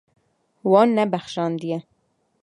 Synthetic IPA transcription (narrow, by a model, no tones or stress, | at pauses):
wɑːnːɛbæxʃɑːnd̪ijɛ